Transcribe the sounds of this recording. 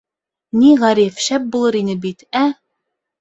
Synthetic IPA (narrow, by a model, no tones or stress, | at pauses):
niʁæɾifʃæp̚bulˠɤɾinɘbit̪æ